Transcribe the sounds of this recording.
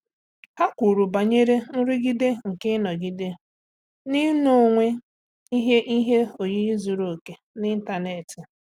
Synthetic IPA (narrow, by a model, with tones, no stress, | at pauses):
ha˦kʷu˨ɾu˨ba˨ɲe˦ɾe˦n̩˦ɾɪ˦ɡi˦de˦ŋ̩˨kɪ˦nɔ˨ɡi˦de˦ | ni˦no˦˨ŋʷe˦ | i˦ɦe˦ʔi˦ɦe˦o˨ɲi˦i˦zu˨ɾo˨ke˨ | nɪ˦n̩˦ta˨ne˨tɪ˨